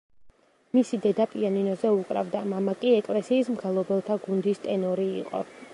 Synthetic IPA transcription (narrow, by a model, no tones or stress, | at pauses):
misid̪ɛd̪apʼianinɔzɛukʼɾa̰vd̪amamakʼiɛkʼlɛsiːsmɡɛlˠɔbɛlˠt̪ʰaɡund̪ist̪ʼɛnɔɾḭːqʼɔ̰